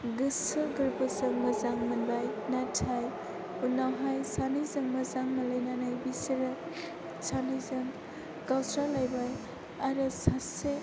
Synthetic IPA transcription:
ɡɯsɯɡɯɾbəsɯŋmɐzaŋmɐnbajnatʰaj | unawɦajsanizɯŋmɐzaŋmɐləjnanajbisɾa | sanizaŋ | kawsɾalajbaj | aɾɯsase

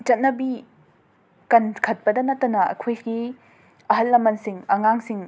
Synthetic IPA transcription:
t͡ʃɐt̚nɐbi | kɐnkʰɐt̚pɐdɐnɐtːɐnɐɐ̰kʰojɡi | ɐɦɐlːɐmɐnsiŋɐŋaŋsiŋ

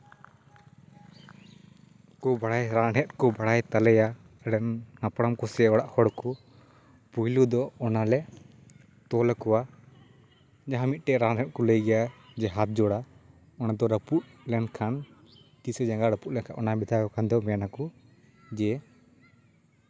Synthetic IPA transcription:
kɔbaɽajɾãnɦɛt̪̚kɔbaɽajt̪alɛja | ɽɛnnapɽamkɔsɛɔɽaʔhɔɽkɔ | pujlud̪ɔɔnalɛ | t̪ɔlakɔwa | d͡ʒaɦãmit̪̚ˀʈɛɾanɾɛt̪̚kɔləjɡɛjad͡ʒɛɦat̪̚d͡ʒɔɽa | ɔnad̪ɔɾəput̪̚lɛnkʰan | kisɛd͡ʒãŋɡaɾəput̪̚lɛnkʰaʔɔnabid̪ʰʱakɔkʰand̪ɔmɛjanakɔ | d͡ʒɛ

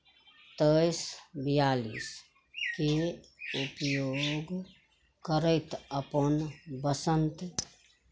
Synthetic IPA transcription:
t̪əjsbijaːlḭs | kiupjoɡ | kəɾəɪt̪əpənbəsənt̪

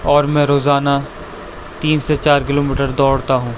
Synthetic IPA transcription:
ɔːɾmɛ̃ːɾoːzaːna | t̪iːnset͡ʃaːɾkɪloːmiːʈəɾd̪ɔːɽt̪aɦũː

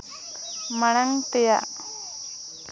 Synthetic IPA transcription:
maɽ̃aŋt̪ɛja̰ʔ

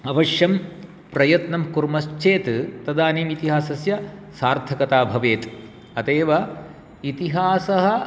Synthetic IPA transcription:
ɐʋɐʃjɐm | pɾɐjɐt̪nɐmkuɾmɐst͡ʃeːt̪t̪ɐd̪aːneːmit̪iɦaːsɐsjɐsaːɾt̪ʰɐkɐt̪aːbʱɐʋeːt̪ | ɐt̪eːʋɐ | it̪iɦaːsɐɦɐ

